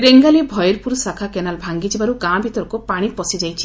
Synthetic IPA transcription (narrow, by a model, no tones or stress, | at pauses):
ɾeŋɡalibʱɔjɔɾpuɾsakʰakenalbʱaŋɡid͡ʒibaɾuɡãbʱit̪ɔɾɔkupaɽ̃ipɔsid͡ʒajt͡ʃʰi̥